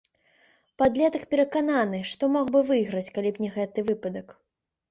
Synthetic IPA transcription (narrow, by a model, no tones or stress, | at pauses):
pad̪lʲɛt̪ɐkpʲɛɾɐkananɨʂt̪ɔmɔɣbɨvɨjɣɾɐt͡sʲkalʲipnʲɛɣɛt̪ɨvɨpɐd̪ɐk